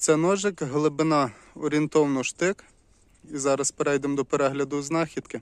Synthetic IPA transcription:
t̪sɛnɔʒɪkɦlˠɪbɪnɑɔɾʲint̪ɔwnɔʃt̪ɪk | izɑɾɐspeɾɛjd̪emd̪ɔpeɾɛɦlʲɐd̪ʊznɑxʲid̪̥kɪ

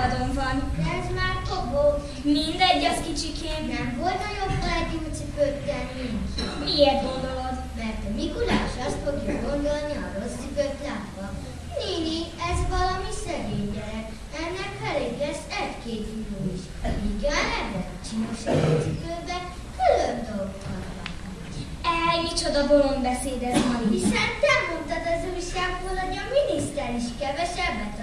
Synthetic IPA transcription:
d̪oɱvɒnɛzmaːrt̪obo | mind̪ɛɟːɒkit͡ʃikeːnnɛɱvo̞lt̪ɒjobːlɛɡit̪sypøt̪ːɛnmiŋkmieːrɡo̞nd̪olod̪ | mɛrt̪ɒmikulaːʃɒst̪fo̞ɡjɒɡo̞nd̪o̞lniɒɾo̞sːipøt̪laːt̪ʋɒ | liniɛzʋɒlɒmisɛɡeːɲːɛɾɛk | ɛnːɛkfɛleːklɛʃɛɟkeːt̪iɡoːiʃ | iɡɛnɛbɛ | t͡ʃinoʃɛɡesid̪øːbɛ | kylønd̪o̞lokɒlbɒ̰ | ɛjit͡ʃo̞d̪ɒbolo̞mbɛseːd̪ɛzmɒɦisɛnt̪ɛmo̞nt̪ɒd̪ɒzujʃaːɡboːlɦo̞ɟɒminist̪ɛniʃkɛvɛʃɛbːɛt̪

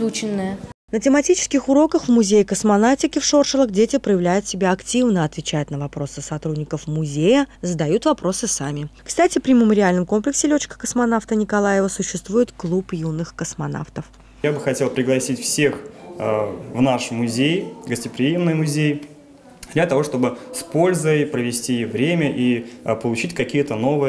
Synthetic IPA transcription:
ut͡ɕɪnːəjənətʲɪmɐtʲit͡ɕɪ̥skʲɪxʊɾo̞kəxvmʊzʲejɪkəsmɐnaftʲɪkʲɪfʂo̞rʂəlˠəxdʲetʲɪpɾəjɪvlʲæjʊt̪sʲɪbʲaɐktʲivnəɐt̪vʲɪt͡ɕæjʊt̪nəvɐpɾo̞sɨ̥sɐt̪ɾudʲnʲɪkəfmʊzʲejəzəd̪ɐjut̪vɐpɾo̞sɨsamʲɪkst̪atʲɪpɾʲɪmʲɪməɾʲɪalʲnəmko̞mplʲɪksʲɪlʲɵt͡ɕkə̥kəsmɐnaft̪ənʲɪkɐlˠajɪvəsʊɕːɪst̪vujɪt̪klˠupjunːɨxkəsmɐna̰ft̪əf | jabɨxɐtʲe̞lˠpɾʲɪɡlˠɐsʲitʲfsʲex | vnaʂmʊzʲejɡəsʲtʲɪpɾʲɪjemnɨjmʊzʲej | d̪lʲət̪ɐvo̞ʂt̪o̞bɨspo̞lʲzəjpɾəvʲɪsʲtʲivɾʲemʲəʔipəlˠʊt͡ɕitʲkɐkʲijət̪əno̞vɨj

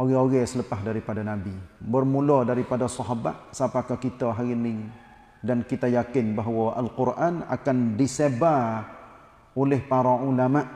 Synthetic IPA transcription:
ʔoɣɛoɣɛsələpaɦdaɾipadanabibərmulɔdaɾipadasɔɦaba̰ʔsəapakakit̪aɦaɣinɪŋ | dankit̪ajakɪnbaɦwaʔalqʊrʔana̰kandiseba | olɛhpaɾaulamaʔ

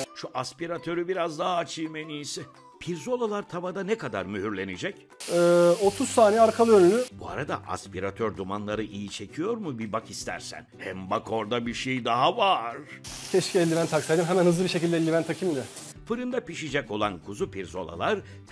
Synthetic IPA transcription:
ʃuʔaspiɾat̪ʰø̞ɾybiɾazd̪aɦaːt͡ʃʰɯjmenijsɪ | pʰiɾzo̞lˠalˠaɾt̪ʰabad̪anɛkʰad̪a̰ɾmyɦyɾlʲe̞nid͡ʒɛc | ɛːot̪ʰuzsaːneaɾkʰalˠɯønylʲybua̰ɾad̪a̰ʔa̰spiɾat̪ʰøɾd̪umanlˠaɾɯʔijit͡ʃʰe̞cʰijo̞ɾmubibakist̪ʰæ̰ɾsæ̰nhɛmbakʰo̞ɾd̪abiɾʃejd̪aɦavaɾ̥cʰɛʃcʰʲiɛlʲːimænt̪ʰaksajd̪ɯmɦɛmænhɯzlˠɯbiʃecilʲd̪ɛlʲːimænt̪ʰacʰimd̪ɛ | fɯɾɯnd̪apiʃid͡ʒɛco̞lˠankʰuzupʰiɾzo̞lˠa̰lˠaɾ

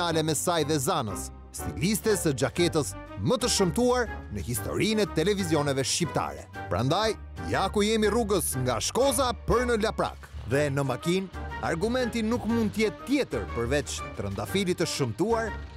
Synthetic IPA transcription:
alɛmɛsajðɛzanə̰sː | ḭlist̪ɛsəd͡ʒakɛt̪əs | mət̪əʃəmt̪uaɾnəhist̪ɔ̰ɾinɛt̪ɛlɛvizjɔnɛvɛʃt͡ɕip̚t̪a̰ɾɛ̰pəɾa̰nd̪aj | jakujɛmiruɡəsŋɡaʃkɔzapəɾnəlapɾa̰kðɛnəmakina̰ɾɡumɛnt̪inukmund̪̚t̪əjɛt̪ːjɛt̪əɾpəɾvɛt͡ʃt̪ɾə̰nd̪afilit̪əʃəmt̪uaɾ

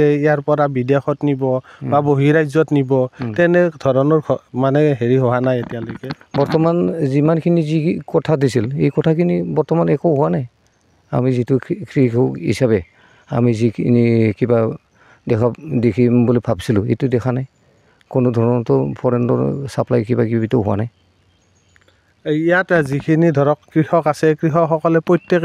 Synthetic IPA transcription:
ɛijaɹpɔɹabidjaxɔtnibɔbaboɦiɹajzɔtnibɔtɛnɛdʱɔɹɔnɔɹkʰɔmanɛɦeɹiɦɔɦanajetijalojkɛbɔɹtɔmanzimankʰinizikɔtʰadisilejkɔtʰakʰinibɔɹtɔmanɛkɔwɦʊwanaj | a̰mizitʊkʰɹikʰɔɦḭsabɛ | a̰mizikʰinikiba | dɛkʰadekʰimbulipʰabsilʊḛtudɛkʰanaj | kʊnʊdʱɔɹɔnɔtɔpʰɔɹɛndɔ̰ɹsaplajkibakibituɦʊwa̰naj | ijatzikʰinidʱɔɹɔkkɹihɔkasɛkɹiɦɔxɔkɔlɛpɹɔjtek

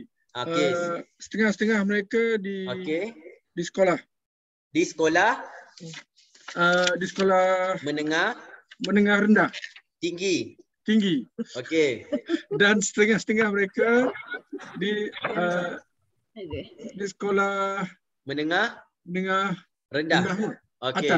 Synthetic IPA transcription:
oəesə̥t̪əŋahsə̥t̪əŋahməɾekadioke | disə̥kolah | disə̥kolah | ədisə̥kolahmənəŋahmənəŋahrəndaht̪iŋɡi | t̪iŋɡioke | dansə̥t̪əŋahsə̥t̪əŋahməɾeka | diə | disə̥kolah | mənəŋah | mənəŋah | rəndəandahu | okaea

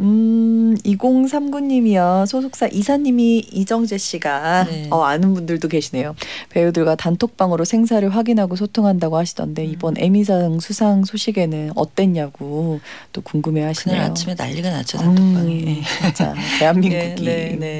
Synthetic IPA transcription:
ɯ | iɡoŋs̬ʰamɡuɲːimiʌsʰosʰok̚s͈aʔisʰaɲːimiid͡ʑʌŋd͡ʑe̞ɕ͈iɡaʌanɯnbundɯɭdoke̞ɕʰine̞jope̞jodɯɭɡwatantʰok̚p͈aŋɯɾosʰe̞ŋs̬ʰaɾɯɭɸwaɡinɦaɡos̬ʰotʰoŋɦandaɡohaɕʰidʌ̰nde̞ibʌnʔe̞̰mis̬ʰaŋsʰusʰaŋsʰoɕʰiɡe̞nɯnʌ̰t͈we̞ɲːaɡo | t͈okuŋɡɯme̞aɕʰinḛa̰jot͡ɕʰimena̰ʎːiɡana̰t͡ɕʰʌ | it͡ɕ͈a̰te̞ɦanːinɡuɡine

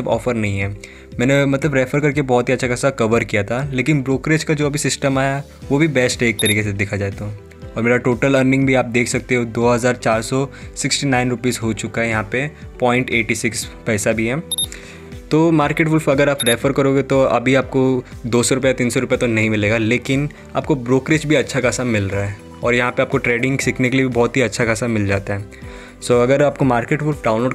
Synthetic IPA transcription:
ɐbɔ̰ːfəɾnɐɦĩɦɛː | mɛ̃ːnemɐt̪ləbɾɛːfəɾkɐɾk̬ebɔːɔt̪ɦiɐtːʃʰakɛsakɐʋəɾkijat̪ʰaleːkɪnbɾoːkɾeːt͡ʃkad͡ʒoːɐbʱisɪsʈəmaːja | ʋobʱibɛːsʈeːk̚t̪ɐɾiːkes̬ed̪ɪkʰad͡ʒaːet̪aɦ | ɔːɾmeːɾaʈoːʈələːɾnɪ̃ŋɡbʱiaːp̚d̪eːkʰsɐk̚t̪eɦõd̪oːɦɐzaːɾt͡ʃaːɾsɔsɪksʈinãːɪnɾʊpiːzɦot͡ʃʊkaɦɛjɐɦãpepɔːɪ̃ɳʈeːʈisɪkspɛːsabʱiɦɛː | t̪oːmaːɾkeːʈfʊlfɐɡəɾaːpɾɛfəɾkɐɾoːɡet̪oɐ̰bʱiaːp̚kod̪oːsɔɾʊpjat̪iːnsɔɾʊpjat̪onɐɦĩmɪleːɡaleːkɪn | a̰ːpkobɾoːkɾɪt͡ʃbʱiɐtːʃʰakaːsamɪlɾaːɦɛː | ɔːɾjɐɦãpeaːp̚koʈɾeːɖɪ̃ŋɡsɪkʰnekeliebʱibɔːt̪ɦiɐtːʃʰakaːsamɪld͡ʒa̰ːt̪aɦɛː | soːɐɡəɾaːp̚komaːɾkeːʈfʊlfɖãːʊ̃nloːɖ

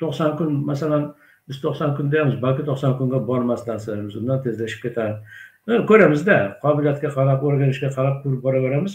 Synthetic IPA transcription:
t̪ʰoqsɒnkʲʊnmasalan | bɪzt̪ʰoqsɒŋkʲʰʊnd̪ejamɪzbalkʲɪt̪ʰoqsɒnkʲʊŋɡʲabɒɾmaslasabɪzʊnd̪ant̪ʰe̞zlaʃɪ̥p̚kʰʲe̞t̪ʰad̪ɪkʰɵɾamɪzd̪aqʰɒbɪlijat̪̚kʲaqʰɑɾapoɾɡʲanɪʃɡʲaqʰɑɾap̚kʰʊɾɪp̚bɒɾabeɾamɪz

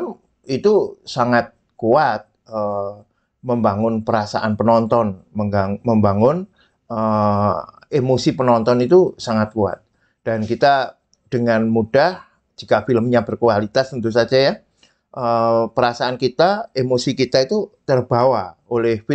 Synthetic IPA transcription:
m | it̪usaŋat̪̚ | kuat̪̚ | ə | məmbaŋʊnpəɾasa̰ʔanpənɔnt̪ɔnməŋɡaməmbaŋʊn | ə | emosipənɔnt̪ɔnit̪usaŋat̪̚kua̰t̪̚ | d̥ankit̪a | d̥əŋanmud̥ah | d͡ʒikafiləmɲabərkualit̪ast̪ənt̪usad͡ʒaja | ʔəpəɾasaːnkit̪aemosikit̪ait̪ut̪ərbawaolɛhf

